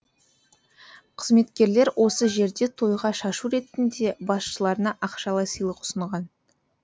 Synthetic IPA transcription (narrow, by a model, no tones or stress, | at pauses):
qʰəzme̞t̪kʲe̞ɾle̞ɾwʔo̞səʒe̞ɾd̪e̞t̪ʰo̞jʁɑʃɑʃuɾe̞t̪ɪnd̪e̞bɑsʃəlˠɑɾənɑʔɑqʃɑlˠɑjsəjlˠəqʊ̥səɴʁɑn